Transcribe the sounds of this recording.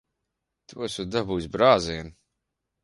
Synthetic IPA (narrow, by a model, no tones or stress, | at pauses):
t̪ʰuɔsud̪abuːsbɾaːziɛn